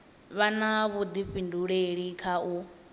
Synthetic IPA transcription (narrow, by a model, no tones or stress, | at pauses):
βanaβud̪iɸinduɺeɺikʰau